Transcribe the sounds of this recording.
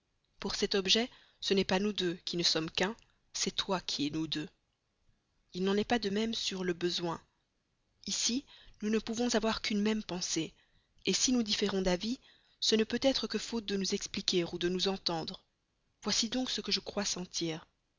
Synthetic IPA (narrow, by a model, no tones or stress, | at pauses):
puʁsɛt̪ɔbʒɛ | sənɛpanud̪økʲinəsɔmkɛ̃ | sɛt̪wakʲʰiɛnud̪ø | ilnɑ̃nɛpad̪əmɛmsyʁləbəzwɛ̃ | isinunəpuvɔ̃zavwaʁkynmɛmpɑ̃se | esinud̪ifeʁɔ̃d̪avi | sənəpøt̪ɛt̪χəkəfot̪̚d̪ənuzɛksplikʲeʁud̪ənuzɑ̃t̪ɑ̃d̪ʁ | vwasid̪ɔ̃ksəkəʒəkχwasɑ̃t̪ʰiːʁ